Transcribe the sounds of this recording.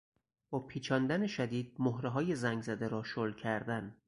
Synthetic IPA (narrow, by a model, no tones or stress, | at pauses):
bɒːpʰiːt͡ʃʰɒːnd̪æne̞ʃæd̪iːd̪̥̚moɦɾeɦɒːje̞zæŋɡzæd̪eɾɒːʃolcʰæɾd̪æn